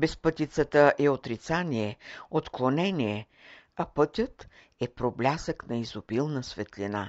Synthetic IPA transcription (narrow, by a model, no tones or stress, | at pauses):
bɛspɤt̪ʲit̪sət̪əʔɛot̪ɾit̪saniɛot̪klˠonɛnʲiɛ | ɐpɤt̪ʲət̪ | ɛpɾoblʲasəknɐizobilˠnəsvɛt̪lʲina